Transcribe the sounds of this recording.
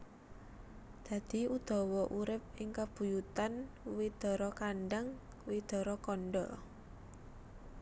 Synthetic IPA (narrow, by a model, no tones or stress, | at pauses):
d̪̥ä̤d̪̥i̤ud̪̥ɔ̤wɔʔuɾɪp̚ɪŋkab̥ṳjut̪an | wid̪̥ɔ̤ɾɔkanɖaŋ | wid̪̥ɔ̤ɾɔkɔnɖɔ